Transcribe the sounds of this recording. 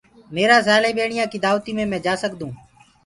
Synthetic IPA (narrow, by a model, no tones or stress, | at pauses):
meːɾaːsaːleːɓeːɳɪjãːkiːd̪aːʋt̪iːmẽːmɛ̃ːd͡ʒaːsəkd̪ũː